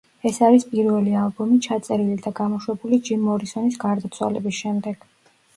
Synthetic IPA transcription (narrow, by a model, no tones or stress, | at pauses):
ɛsaɾispʼiɾvɛlialˠbɔmit͡ʃʰat̪sʼɛɾilid̪aɡamɔʃwɛbulid͡ʒimːɔɾisɔnisɡaɾd̪at̪sʰwa̰lɛ̰bisʃɛmd̪ɛɡ̥